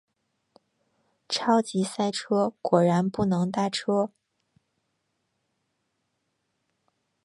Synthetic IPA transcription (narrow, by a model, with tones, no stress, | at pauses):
ʈ͡ʂʰɑ˥ʊt͡ɕi˧˥sa˥˧ɪʈ͡ʂʰɤ˥kwɔ˨˩ɻa˧˥npu˥˩nɤ˧˥ŋt̪a˥˩ʈ͡ʂʰɤ˥